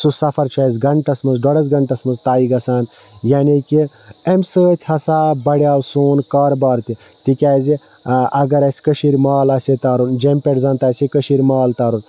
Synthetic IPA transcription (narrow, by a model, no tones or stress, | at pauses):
susɐpʰɐɾt͡ʃʰazʲɡɐɳʈ̪ɐsmɐzɖɔɽɐzɡɐɳʈ̪ɐsmɐzt̪aːiɡɐsaːn | jaːniki | emsəːt̪ʲʰhɐsaːbɐɽjaːwsoːnkɐɾbɐːɾt̪i | t̪ikʲaːzi | ɐɡɐɾɐsʲkəʃiɾʲmaːlɐːset̪aːɾund͡ʒɐmʲpʲeʈzaːnt̪aːsikəʃiɾʲmaːlt̪aːɾun